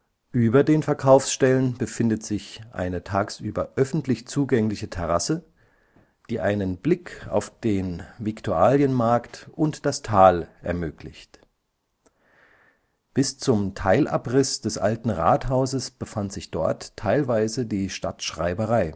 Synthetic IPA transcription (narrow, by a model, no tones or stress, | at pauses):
ʔyːbɐdeːnfɛɐkʰaʊfsʃtɛlənb̥əfɪndətz̥ɪçʔa̰ɪnətʰaːksʔyːbɐʔœfn̩tlɪçt͡suːɡɛŋlɪçətʰɛʁasə | d̥iːʔaɪnənblɪkʰa̰ʊfd̥eːnvɪktʰuaːljənmaɐktʔʊntd̥astʰaːlʔɛ̰ɐmøːklɪçt | b̥ɪst͡sʊmtʰaɪlʔa̰pʁɪsd̥ɛsʔa̰ltn̩ʁa̰ːthaʊzəsb̥əfantz̥ɪçd̥ɔ̰ɐtʰːaɪlvaɪzədiːʃta̰tʃʁ̥a̰ɪbəʁaɪ